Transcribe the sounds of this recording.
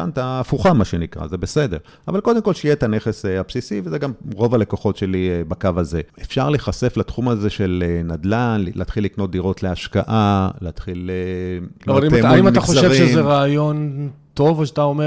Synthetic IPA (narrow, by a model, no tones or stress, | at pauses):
a̰nt̪aːfuχamaʃenikʁa̰ze̞bese̞de̞ʁ | avalko̞d̪emko̞lʃejet̪ane̞χeseapsisivezeɡamʁo̞vale̞koχo̞tʃe̞libakavaze̞efʃaʁleχase̞flat̪χumaze̞ʃe̞lenad̪lanllʔeːt̪χilːikno̞t̚d̪iʁo̞t̪leaʃka̰ʔaleat̪χile | aiteuimamaχoʃaeʁiʃezeʁaːjo̞nt̪o̞voʃat̪aome